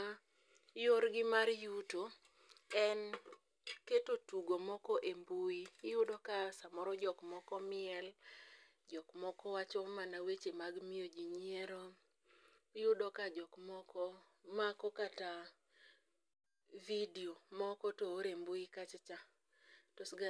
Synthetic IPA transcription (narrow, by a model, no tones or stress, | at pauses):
a | joɾɡɪmaɾjuto | ɛn | ketotuɡomɔkɔʔembuijʊdɔkasamɔɾɔd͡ʒɔkmɔkɔmɪɛl | d͡ʒɔkmɔkɔwat͡ʃɔmanawet͡ʃemaɡmiod͡ʒiɲieɾo | jʊdɔkad͡ʒɔkmɔkɔ | makɔkata | vidiomɔkɔtooɾembuikat͡ʃt͡ʃa | tɔsɡa